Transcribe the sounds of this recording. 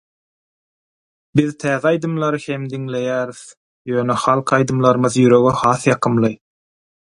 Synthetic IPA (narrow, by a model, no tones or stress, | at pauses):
biðt̪ʰæːðeɑjd̪ɯmlˠɑɾɯhemd̪iŋle̞jæːɾiθ | jøːnexɑlˠqʰɑjd̪ɯmlˠɑɾɯmɯðjyɾø̞ɣøhɑːθjɑqʰɯmlˠɯ